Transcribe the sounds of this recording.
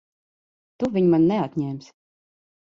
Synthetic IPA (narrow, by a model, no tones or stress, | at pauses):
t̪uvʲiɲmanːɛat̪ʲɲʲɛːmʲs